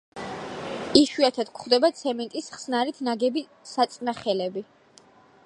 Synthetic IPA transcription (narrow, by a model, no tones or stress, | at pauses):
iʃwiat̪ʰad̪kʰχd̪ɛbat̪sʰɛmɛnt̪ʼisχsnaɾit̪ʰnaɡɛbi | sat̪sʼnaχɛlɛbi